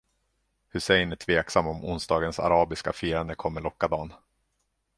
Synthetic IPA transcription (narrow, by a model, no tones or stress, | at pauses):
hɵsɛjnɛt̪ʰveːksamːɔmʊ̰nsd̪ɑːɡənsa̰ɾɑːbɪska̰fiːɾand̪əkʰɔmːəɭɔkːad̪ɑːn